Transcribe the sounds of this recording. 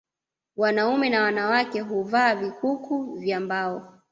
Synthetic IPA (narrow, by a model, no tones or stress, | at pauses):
wanaumɛnawanawakɛɦuvaːvikukuvjambaɔ